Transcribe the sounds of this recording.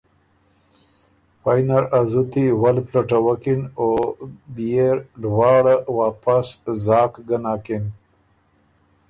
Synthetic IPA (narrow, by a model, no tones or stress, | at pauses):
fajnaɾazut̪iwalplaʈawakinobijeɾɖwɑːɽawaːpaszɑːkɡanaːkin